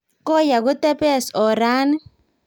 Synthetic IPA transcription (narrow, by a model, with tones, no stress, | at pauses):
kɔ˦ja˨ɡʊ˦tɛ˦pɛ˦˨sɔ˨ɾa˦n˦